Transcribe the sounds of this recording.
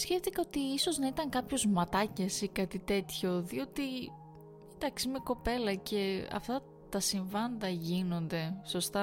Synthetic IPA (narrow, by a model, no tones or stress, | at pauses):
sçeft̪ikɐot̪iiso̞znɐit̪ɐŋkɐpço̞zmɐt̪ɐcesikɐt̪it̪e̞t̪ço̞ðio̞t̪i | it̪ɐksimeko̞pe̞lɐce̞ɐ̰ft̪ɐ | t̪ɐsiɱvɐnd̪ɐʝino̞nd̪e̞so̞st̪ɐ